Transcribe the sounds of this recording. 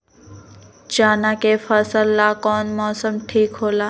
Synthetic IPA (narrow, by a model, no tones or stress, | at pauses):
d͡ʒaːnakefəsəlːakɔːnmɔːsəmʈʰiːkɦoːlaː